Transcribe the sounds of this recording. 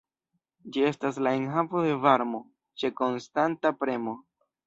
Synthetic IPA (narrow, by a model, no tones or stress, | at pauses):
d͡ʒie̞staslaenɦavo̞de̞vaɾmo̞ | t͡ʃe̞ko̞nstantapɾe̞mo̞